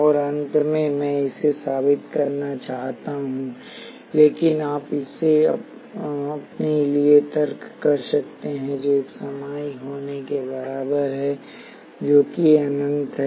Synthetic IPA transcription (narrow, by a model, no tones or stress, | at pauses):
ɔːɾɐ̃nt̪mẽmɛ̃ːɪsesaːbɪt̪kɐɾnat͡ʃaːɦt̪aɦũː | leːkɪnaːpɪsːeɐ̰ | ɐpneliet̪ɐɾkːɐɾsɐkt̪eɦɛ̃d͡ʒoeːksɐmaːjiɦoːnekebɐɾaːbəɾɦɛ | d͡ʒoːkiɐnə̃nt̪ɦ